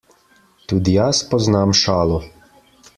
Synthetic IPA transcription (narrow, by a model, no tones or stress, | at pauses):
t̪uːd̪ijaspɔznamʃaːlɔ